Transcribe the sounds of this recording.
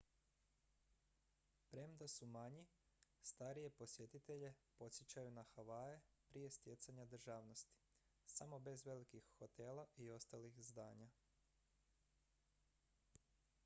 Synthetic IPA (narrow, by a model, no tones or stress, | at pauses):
pɾemd̪asumaɲi | st̪aɾije̞po̞sje̞t̪it̪eʎe̞po̞t̪sjet͡ɕajunaxaʋajepɾije̞st̪je̞t̪saɲad̪r̩ʒaːʋno̞st̪i̥ | samo̞be̞zʋe̞likixːot̪elaʔio̞st̪alixzd̪aːɲa